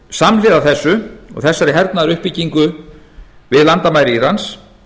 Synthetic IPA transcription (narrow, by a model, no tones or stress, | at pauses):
samlɪːðaθɛsːʏɔ̰ɣθɛsːaɾɪɦɛɾt̪naðɾʏhpiciŋkʏ | vɪðlant̪amaːjɾɪirans